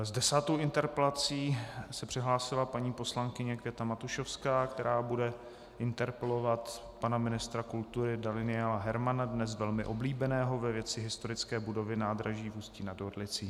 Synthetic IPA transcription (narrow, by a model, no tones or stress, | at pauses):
zdɛsaːt̪owʔɪnt̪ɛɾpɛlat͡siːsɛpr̥ɪɦlaːsɪlapaɲiːposlaŋkɪɲɛkɛt̪amat̪uʃofskaːkt̪ɛɾʔaːbudɛ | ʔɪnt̪ɛɾpɛlo̞vat̪ | panamɪnɪst̪ɾakult̪uɾɪdalɪnɪaːlaɦɛɾmanadnɛsvɛlmɪʔo̞bliːbɛnɛːɦo̞vɛvjɛt͡sɪɦɪst̪o̞ɾɪt͡skɛːbudo̞vɪnaːd̪ɾaʒiːvusciːnadodlɪt͡siː